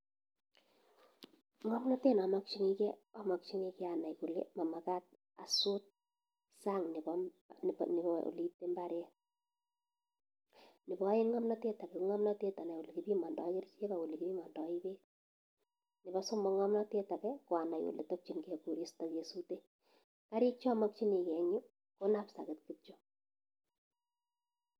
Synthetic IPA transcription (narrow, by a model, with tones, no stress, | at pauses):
ŋɔ˦mnɔ˦te˦na˨makt͡ʃi˦ŋi˦kɛ˦ɔma˨k̚t͡ʃi˦ŋike˦ana˨jku˨lḛma˨ma˨ka˦t̚ | a̰˨su˦t̚ | sa˦ŋnɪ˨bɔ̰ | nḭ˨o̰˨li˦tːe˦mba˦ɾjɛ | nɪ˨bɔe˦ŋɔ˦mnɔ˦te˦ta˨kɛ˦ŋɔ˦mnɔ˦te˦ta˨na˨wo˨li˨kipi˦mɔ˨ndɔ˨˦kɪ˦rt͡ʃe˦ka˨wʊ˨li˨kipi˦mɔ˨ndɔ˨ibe˦ | nɪ˨bɔ˦so˦mbɔ˦ŋɔ˦mnɔte˦ta˨kɛkwa˨na˨jwo̰˨lḛ˨top̚t͡ʃi˨nke˨ku˨ɾi˦stɔke˨sute | kaɾi˦k̚t͡ʃɔ˦mɔ˦k̚t͡ʃi˦ni˨kɛ˨ɲu˦ | ko˦napsa̰˨kɪtkɨt͡ʃo˦